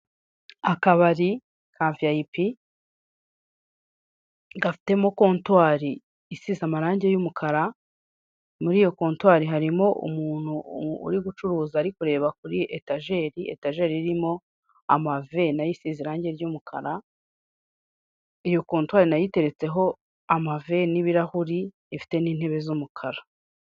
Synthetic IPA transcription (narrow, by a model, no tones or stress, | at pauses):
akaβaɾi | kʰaːɱvijaipi | ɡafi̥te̞mo̞ko̞ːntwaːɾi | isizamaɾaːɲɟe̞jumukʰaɾa | muɾiːjo̞ko̞ːntwaːɾiɦaɾimo̞ʔṵmuːn̥hṵːɾiɡut͡ʃuɾuːzaːɾikuɾe̞ːβakuɾiʔetaʒe̞ɾiḛtaʒe̞ɾiɾimo̞ | a̰mave̞najisiziɾaːɲɟe̞ɾjumukʰa̰ɾa | ijo̞ko̞ːntwaːɾinajite̞ɾe̞t͡se̞ɦo̞ | amave̞niβiɾahuɾiː | fi̥te̞niːn̥he̞βe̞zumukʰaɾa